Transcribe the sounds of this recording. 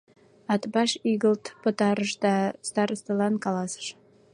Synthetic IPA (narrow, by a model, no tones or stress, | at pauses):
ɑt̪bɑʃiɣəlt̪pə̆t̪ɑɾəʃd̪ɑst̪ɑɾəst̪ɤlɑnkɑlɑsə̥ʃ